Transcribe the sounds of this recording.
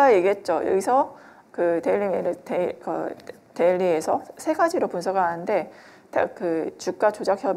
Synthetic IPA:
ajeɡiɦet̚t͡ɕ͈ojʌ̰ɡisʰʌ | kɯteʎːimenɯtekɯ̰ | teʎːie̞sʰʌsʰe̞ɡad͡ʑiɾopuns̬ʰʌɡaɦanɯnde̞ | ta̰kɯt͡ɕuk̚k͈at͡ɕod͡ʑakʰjʌb

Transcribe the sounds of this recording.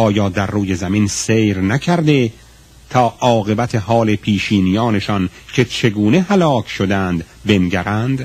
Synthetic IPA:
ɒːjɒːd̪æɾːuːje̞zæminsejɾnækʰæɾd̪e̞ | t̪ʰɒːʔɒːɣe̞bæt̪ʰeɦɒːle̞pʰiːʃiːnijɒːne̞ʃɒncʲʰe̞t͡ʃʰe̞ɡuːne̞hælɒːkʲʰʃod̪ænd̪ | be̞nɟʲæɾænd̪̥

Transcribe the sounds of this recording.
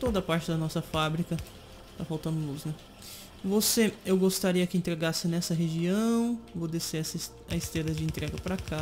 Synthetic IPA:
t̪od̪ɐpaɾt͡ʃɪd̪ɐnɔsɐfabɾikɐ | t̪afawt̪ɐ̃nd̪ʊlusnɛ | voseewɡost̪aɾiɐkɪẽnt̪ɾeɡasɪnɛsɐɦeʒiɐ̃w̃vod̪esesɪ | ɐɪst̪eɾɐd͡ʒɪẽnt̪ɾɛɡɐpɾɐkʰa

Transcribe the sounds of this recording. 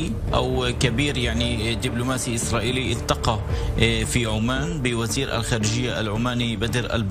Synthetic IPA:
ʔa̰wkabiːɾjaʕnid̪ɪblʊmaːsiʔɪsɾˤaːʔiːliʔɪlt̪ːɑqɑ | fiʕʊmaːnbɪwaziːɾʔa̰lxaːɾɪʒɪjːaʔa̰lʕʊmaːnibad̪ɪɾʔa̰lb

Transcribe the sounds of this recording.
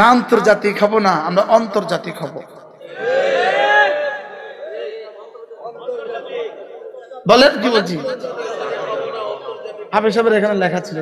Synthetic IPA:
aɔnt̪oɾd͡ʒat̪ikɦɔbonaamɾaʔɔnt̪oɾd͡ʒat̪ikɦɔbo | bɔleʔ̪̚ɡibod͡ʒi | hapeʃ̬abeɾekʰanelɛkʰat͡ʃʰil

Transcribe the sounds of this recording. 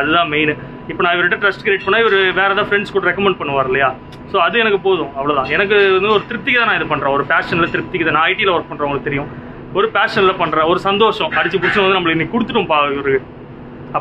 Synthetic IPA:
ɐðɯðãːmeɪnɯ | ɪpːoːnãːɪʋɐɾɪʈːɐʈɾɐsʈkɪɾeːʈ̚pɐɳːaːɪʋɐɾɯʋeːɾɛt̪ãːfɾɛɳɖskɔʈːɯɾɛkːɐmɛɳɖ̚pɐɳːɯʋaːɾɯlːɐjaː | soːɐðɯɛnɐk̬ːɯpoːðʊ̃ɐʋːɐɭoːðãːɛnɐk̬ːɯɐnɔɾɯt̪ɪɾɯp̚t̪ːɪkɪt̪ãːnãːɪðɯpɐɳːɾẽːɔɾɯpaːʂɐnɪlɐt̪ɪɾɯp̚t̪ːɪkːɐðnãːɐɪʈilɐʋɐɾk̚pɐɳɾõːɔŋɔnɯk̚ɯt̪ɛɾɪjʊ̃ | ɔɾɯpaːʂɐnɪlɐpɐɳːɾẽːɔɾɯsɐnd̪oːʂɐ̃ɐɽt͡ʃːɯpʊɽɪt͡ʃːɪnɐ̃ʋɐnd̪ɯnɐmːɐɭɯkːɪnːikʊɽɯt̪ːɯʈːɯmpaːɾɯɯ | ɐpː

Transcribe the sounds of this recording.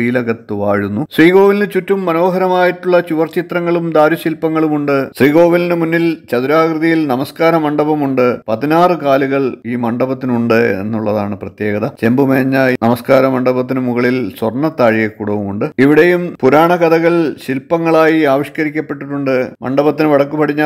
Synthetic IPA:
iːlɐɣɐt̪ːɨʋaːɻunːusriːɣo̞ːʋilnɨt͡ɕutːumːɐno̞ːɦɐɾɐmaːjiʈːuɭːɐt͡ɕuʋɐrt͡ɕit̪rɐŋːɐɭumd̪aːɾuɕilpɐŋːɐɭumuɳɖɨsriːɣo̞ːʋilnɨmunːilt͡ɕɐðuɾaːkrɨðɐjilnɐmɐskaːɾɐmɐɳɖɐbɐmuɳɖɨpɐðinaːrɨkaːluɣɐɭiːmɐɳɖɐbɐt̪̬ːinuɳɖɨe̞̰nːuɭːɐðaːɳɨprɐt̪je̞ːɣɐðɐt͡ɕe̞mbumeːɲːɐnɐmɐskaːɾɐmɐɳɖɐbɐt̪̬ːinɨmuɣɐɭilswɐrɳːɐt̪ːaːɻijɐkuːɽɐʋumuɳɖɨiʋiɽejumpuɾaːɳɐkɐd̪ɐɣɐɭɕilpɐŋːɐɭaːjiaːʋiʂkɐɾikʲːɐpːe̞ʈːiʈːuɳɖɨmɐ̰ɳɖɐbɐt̪ːinɨʋɐɽɐkːupɐɽiɲːa

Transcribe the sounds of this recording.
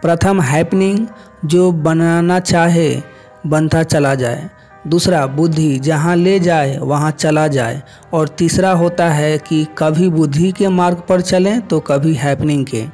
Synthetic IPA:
pɾət̪ʰəmɦɛːpnɪ̃ŋɡ | d͡ʒoːbənaːnat͡ʃaːɦe | bə̃nt̪at͡ʃɐlad͡ʒaːḛ | d̪uːsɾabʊd̪ʱːid͡ʒəɦãled͡ʒaːeʋəɦãt͡ʃɐlad͡ʒaːḛ | ɔːɾt̪iːsɾaɦoːt̪aɦɛkikɐbʱibʊd̪ʱːikemaːɾɡpəɾt͡ʃəlẽt̪okɐbʱiɦɛːpnɪ̃ŋɡkḛ̃ː

